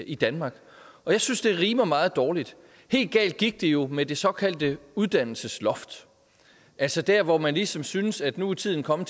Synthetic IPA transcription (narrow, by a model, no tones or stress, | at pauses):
id̥ænmɑ̈ːɡ̥ | ʔɒ̽jɑ̈ɪsynsd̥e̝ɐʁiːməɒmɑ̈ːð̞̩ˠd̥ɒːlid̥ | he̝̰ːld̥̚ɡ̥ɛ̰ːld̥̚ɡ̥iɡ̥̚d̥e̝jo̝med̥e̝sɒ̽kʰæl̰d̥əuð̞ˠd̥æn̰l̩səslɒ̽fd̥ | ʔælsɒd̥æɐʋɒmænlisɒ̽msynəsæd̥nuit͡sʰið̰ˠn̩kʰɒ̽m̰ət͡sʰ